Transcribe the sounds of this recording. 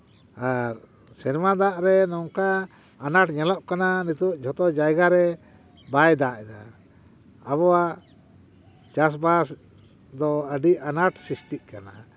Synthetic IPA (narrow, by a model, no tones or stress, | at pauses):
aɾ | sɛɾmad̪aʔɾɛnɔŋkaː | naʈɲɛlɔʔkananit̪uʔd͡ʒʱɔt̪ɔd͡ʒajɡaɾɛ | bajd̪aʔɛd̪aː | βɔwa | t͡ʃas̬bas | d̪ɔəɖiʔanaʈsisʈiʔ̚kana